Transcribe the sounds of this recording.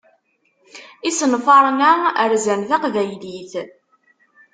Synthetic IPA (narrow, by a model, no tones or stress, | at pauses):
isənfɑɾˤənæəɾzænθæqvæjliθ